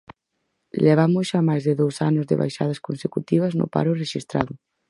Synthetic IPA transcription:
leβ̞amʊsʃamajzðeðowsanʊzðḛβa̰jʃaðɐskonsekut̪iβ̞ɐznʊ̰pa̰ɾʊreʃist̪ɾa̰ðʊ

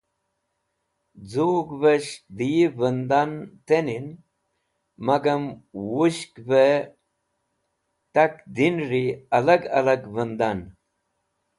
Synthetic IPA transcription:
d͡zuːɡvɐɕd̪ivənd̪ant̪enin | mɐɡɐmwuɕkve | t̪ɐkd̪inɾiɐlɐɡɐ̰lɐɡvənd̪an

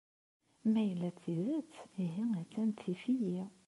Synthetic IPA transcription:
mæjəlːæθiðæt͡sːiɦiæt͡sːænt̪ʰifiji

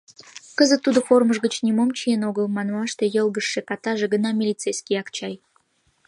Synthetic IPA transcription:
kəzə̆t̪ːud̪ə̆formə̆ʐɡət͡ɕnʲimomt͡ɕijenoɡəlˠmɑnwɑʂt̪ĕjelˠɡə̆ʂːekɑt̪ɑʒĕɡə̆nɑmʲɪlʲit̪sejskʲijɑkt͡ɕɑj

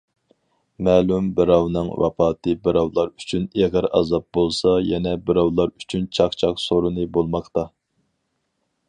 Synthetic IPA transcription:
mæːlumbɪɾɑwnɨŋwɑ̰pʰɑːt̪ʰɨbɪɾɑwlˠɑɾyt͡ʃʰyneʁəɾɑ̰zɑp̚bolˠsɑjɛnɛbɪɾɑwlˠɑɾyt͡ʃʰynt͡ʃʰɑqt͡ʃʰɑqsoɾɨnɨbolˠmɑqt̪ɑ

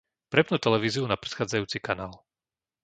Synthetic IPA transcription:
pɾɛpnuːt̪ɛlɛʋiːziunapɾɛ̥t̪xaːd͡zajuːt͡sikanaːl

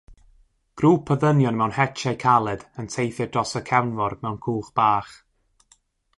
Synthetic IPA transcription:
ɡ̥ruːpʰəðənjɔnmɛwnhɛt͡ʃajkʰalˠɛdəntʰejθɨdrɔsəkʰɛwnvɔrmɛwnkʰuːχb̥aːχ

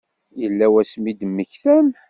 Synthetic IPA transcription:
jəlːæwæsmid̪əmːəçθæm

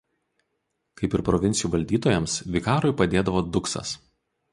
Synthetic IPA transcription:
kɐɪpɪɾpɾɔʋʲɪnʲsʲɪjuːʋɐlʲd̪ʲiːt̪oːjɛmsʋʲɪkɑːɾʊɪpɐd̪ʲeːd̪ɐʋoːd̪ʊksɐ̰s

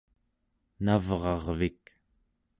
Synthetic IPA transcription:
navʁɑʁvik

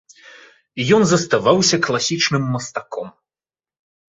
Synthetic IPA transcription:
jɔnzɐst̪avawsʲɐklˠasʲit͡ʂnɨmːɐst̪akʰɔm

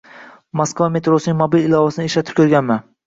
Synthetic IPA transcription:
moskvame̞t̪ɾosɪnɪŋʲmobilɪlˠɒvasɪnɪeʃlat̪ʰɪ̥p̚kʰʲɵɾɡʲanman

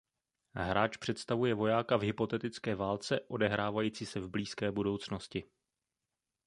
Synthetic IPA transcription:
ɦɾʔaːt͡ʃpr̝̥ɛt̪st̪avujɛvo̞jaːkavɦɪpo̞t̪ɛt̪ɪt͡skɛːvaːlt͡sɛʔo̞dɛɦɾaːvajiːt͡siːsɛvbliːskɛːbudo̞wt͡sno̞scɪ

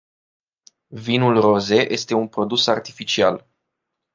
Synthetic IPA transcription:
vinulro̞ze̞ʔe̞st̪e̞unpɾo̞d̪usart̪ifit͡ʃial

